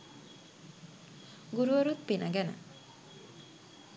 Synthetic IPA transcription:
ɡuɾuəɾut̪̚pinʔaɡɛna̰

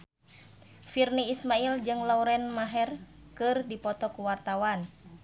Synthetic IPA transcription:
firniːsmaild͡ʒɨŋlauɾɛnmaɦɛr | kɨrdipɔt̪ɔkuwart̪awan

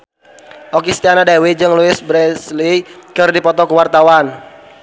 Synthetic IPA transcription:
ʔɔkist̪ianadawid͡ʒɨŋluɪsbɾɛslikɨrdipɔt̪ɔkuwart̪awan

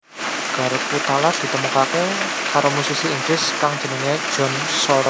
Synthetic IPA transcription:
ɡ̥a̤ɾokut̪alad̪̥i̤t̪əmukake | kaɾomusisiːŋɡɾɪskaŋ̥d͡ʒ̥ə̤nəŋe̥d͡ʒ̥ɔ̤n | sɔɾɔ

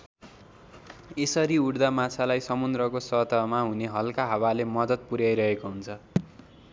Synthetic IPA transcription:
esʌɾiuɽd̪amat͡sʰalajsʌmund̪rʌkosʌt̪ʌmaɦuneɦʌlkaɦawalemʌd̪ʌt̪̚puɾjajɾʌɦekoɦunt͡sʰʌ

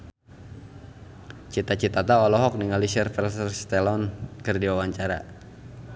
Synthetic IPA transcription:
t͡ʃit̪at͡ʃit̪at̪aɔlɔɦɔk̚niŋalisɛrfɛsərst̪ɛlɔnkərdiwawaɲt͡ʃaɾa̰

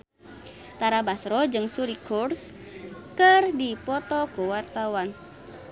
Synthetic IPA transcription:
t̪aɾabasɾɔd͡ʒɨŋsuɾikurs | kɨrdipɔt̪ɔkuwart̪awan

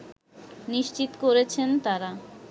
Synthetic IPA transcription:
niʃt͡ɕit̪koɾet͡ɕʰent̪aɾa

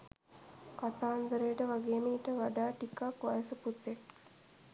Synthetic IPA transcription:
kat̪aːnd̪əɾejːʈəʋaɡeːməiʈəʋaɖaːʈikakʋajəsəput̪ːek̚

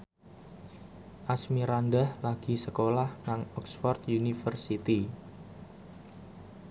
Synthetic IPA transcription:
ʔasmiɾandahlaɡ̥i̤səkolahnaŋɔksfɔrt̪unifərsit̪i

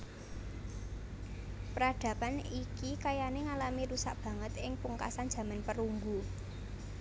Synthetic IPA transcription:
pəɾaɖ̥ä̤panikikajaneŋalamiɾusa̰ʔb̥ä̤ŋət̪ɪŋpuŋka̰san̥d͡ʒ̥ä̤manpəɾuŋɡu

